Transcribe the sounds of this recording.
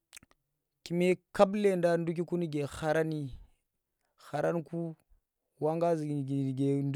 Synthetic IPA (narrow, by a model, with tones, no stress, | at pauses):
ki˨me˦ka˦ble˦˨nda˦ndu˦k̬i˦ku˦ni˦ɡe˨xa˨ɾa˦ni˦ | xa˨ɾa˦nku˦ | wa˦ŋɡa˦zɡe˨nd